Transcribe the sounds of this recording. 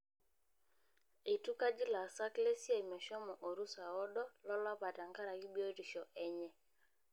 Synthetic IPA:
e˨tu˦ka˦d͡ʒɪ˦la˨sa˦kle˦sje˦˨mɛ˨ʃɔ˦mɔ˨ʔo˨ɾu˦sa˨ɔ˦dɔ˦lɔ˦la˦pa˨ta˨ŋɡa˦ɾa˨ki˦bjo˦ɾi˨ʃɔ˨ʔɛ˦ɲɛ˦

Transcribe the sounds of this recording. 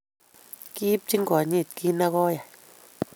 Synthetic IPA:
ki˦p̚t͡ʃi˦ŋ˦ɡo˨ɲi˦˧˨t̪ki˦nã˦ɣo˦ja˨

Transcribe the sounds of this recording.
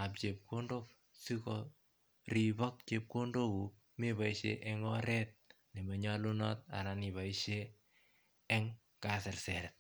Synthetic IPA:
a˨p̚t͡ʃe˨p̚ko˦ndo˦k̚ | si˦kɔ | ri˨βɔ˦k̚t͡ʃe˨p̚ko˦ndo˦ku | me˦βa˨iʃḛʔɛ˦ŋɔɾɛ˦t̚ | ne˨mɛ˨ɲa˦lu˦nɔ̰˦t̚a̰˨na˨ni˨βa˨iʃe˦ | ŋ | kasɛ˨rsɛ˨ɾɛ˨t̚

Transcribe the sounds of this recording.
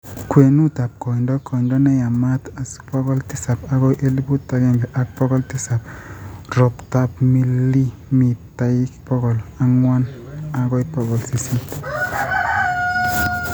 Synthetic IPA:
kwe˨nu˦ta˨p̚kɔ˨ndɔ˦kʰɔ˨ndɔ˦nɛ˦ja˨ma˦ta˨spɔ˦kɔ˦ltɪ˦sa˨pa˨kɔ˦ʔe˦li˦bu˦tːa˨˦kɛ˦ŋɡɛ˨ʔa˨k̚pɔ˦ɡɔ˦ltɪ˦sa˨p̚ɾɔ˨pta˦pmi˦li˦ | mi˨ta˨i˦kpɔ˦ɡɔ˨la˦ŋwa˦na˨kɔ˦i˦pɔ˦ɡɔ˨lsi˨si˦t

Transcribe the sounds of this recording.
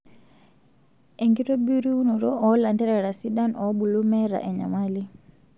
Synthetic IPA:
e˨ŋɡi˦to˦bu˦ɾi˦u˦no˨ɾo˦ʔɔ˨la˨ntɛ˦ɾɛ˨ɾa˨si˦da˦nɔ˨˦bu˨lu˦mɛ˦ɾa̰˨ʔɛ˨ɲa̰˨mali˦

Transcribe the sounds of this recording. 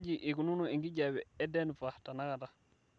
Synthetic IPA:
ɟi˨ʔi˨ku˨nu˦no˨i˨ŋɡi˦ɟa˨wɛ˨ɛ˦dɛ˦nfa˨ta˨na˦ka˨ta˨

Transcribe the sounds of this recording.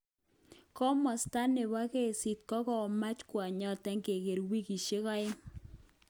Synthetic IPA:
kɔ˦mɔ˨sta˦ne˨βa˦ke˦˨si˨t̚kɔ˦kɔ˨ma˦t͡ʃkwa˨ɲɔ˨tɛ˦ŋɡe˨ke˨ɾwi˦ki˨ʃe˦kɔ˦ɪ˦

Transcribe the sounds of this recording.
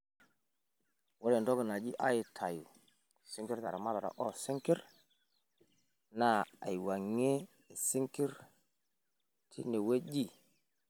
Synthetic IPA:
wo˦ɾe˨ndo˦ɡi˨na˨d͡ʒi˦ʔa˦ji˨tʰa˨ju˨ | si˦ŋki˦ɾta˨ɾa˨ma˦la˨ɾa̰˨ʔɔ˦si˦ŋki˦ɾ | na˦˨a̰˨jwa˨ŋe˦ | e˨si˦ŋki˦ɾ | tʰḭ˦ne˨we˦d͡ʒi˦˨

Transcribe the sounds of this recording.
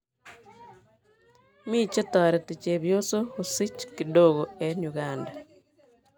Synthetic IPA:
mi˦t͡ʃe˦ta˨ɾe˨te˨t͡ʃe˨βjo˦so˦hosi˦t͡ʃkido˦ɣoeɲuɣaːnda

